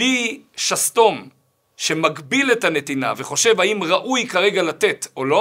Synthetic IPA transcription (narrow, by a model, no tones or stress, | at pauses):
liʃast̪o̞m | ʃe̞maɡbile̞thane̞t̪ina̰veχo̞ʃe̞vaimʁaʔujkaʁe̞ɡalat̪e̞to̞lo̞